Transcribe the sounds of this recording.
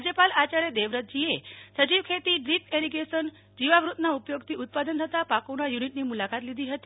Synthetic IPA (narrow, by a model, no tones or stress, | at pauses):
d͡ʑəpalat͡ɕaɾjəd̪eʋɾət̪̚d͡ʑiesət͡ɕiʋkʰet̪iːɖɾipeɾiɡesən | d͡ʑiʋaʋɾut̪naupjoɡt̪ʰiːut̪̚pad̪ənt̪ʰət̪apakoɽ̃ajuniʈniːmulakat̪lid̪ʱiɦət̪i